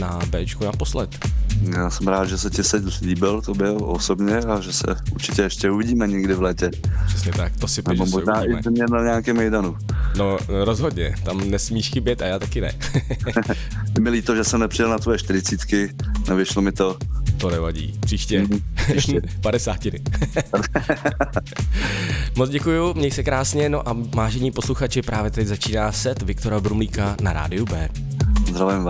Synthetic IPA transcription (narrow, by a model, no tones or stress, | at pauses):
nabɛːt͡ʃkunaposlɛt̪jaːsɛmɾaːd̪ʒɛsɛcɪsɛzliːbɪlt̪obɪlo̰sobɲɛaʒɛsɛ̰uɾt͡ʃɪcɛɛʃcɛuvɪɟiːmɛɲɪɡdɪvlɛːcɛpr̥ɛsɲɛt̪ak̚t̪osɪnɛɪbomoʒnaaʔɪmɛmɲɛnaɲɛaːkɛmɛjdanu | noɾozɦod̪ɲɛt̪amnɛsmiːʃxɪbjɛt̪ajaːt̪akɪnɛ̰ | mɪliːt̪oʒɛsɛmnɛpr̥ɪjɛlnat̪vojɛʃt̪ɪɾɪt͡siːt̪kɪnɛvjɛʃlomɪt̪ot̪onɛvaɟḭːpr̥iːʃcɛ | padɛsaːcɪnɪ | mod͡zɟɛkujumɲɛjsɛkɾaːsɲɛnoʔavaːʒɛɲiːpo̞sluxat͡ʃɪpɾʔaːvjɛt̪ɛczat͡ʃiːnaːsɛt̪vɪkt̪o̞ɾabɾumliːkanaɾa̰ːdɪjubɛː | zd̪ɾavujɛmva